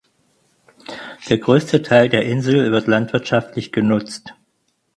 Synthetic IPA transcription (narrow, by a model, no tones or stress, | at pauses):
d̥eːɐɡʁøːstʰətʰaɪldeːɐʔɪnzl̩vɪɐtlantv̥ɪɐtʃaftlɪçɡ̥ənʊt͡st